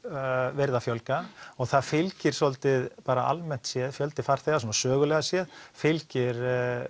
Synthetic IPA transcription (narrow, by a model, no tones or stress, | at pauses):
vɛɾðafjœlkaɔɣθaðfɪlcɪɾ̥sɔlt̪ɪðpaːɾaʔa̰lmɛn̥t̪sjɛðfjœlt̪ɪ̥faɾ̥θejɣas̬wɔːnasœːɣʏlɛɣasjɛðfɪlcɪɾ